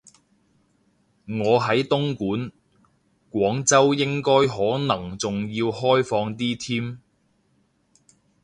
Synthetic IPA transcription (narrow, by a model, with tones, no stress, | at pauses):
ŋɔː˨˧ɦɐ˨˥jt̪ʊ˥ŋkuː˨˥n | kwɔː˨˥ŋt͡sɐ˥wjɪ˥ŋkɔː˥jɦɔː˨˥nɐ˨˩ŋt͡sʊ˨ŋjiː˧whɔː˥jfɔː˧ŋt̪iː˥t̪ʰiː˥m